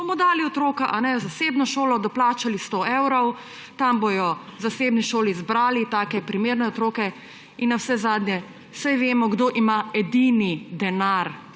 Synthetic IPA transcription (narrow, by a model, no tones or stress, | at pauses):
bɔmɔd̪aːliɔt̪ɾoːkaʔanɛzasebnɔʃoːlɔd̪ɔplaːt͡ʃalist̪oewɾɔw | t̪ambojɔzaseːbniʃoːlizbɾaːlit̪aːkɛpɾimeːɾnɛɔt̪ɾoːkɛ | inːawsɛzaːd̪njɛ | sajʋeːmɔɡd̪oʔimaɛd̪inid̪ɛnaɾ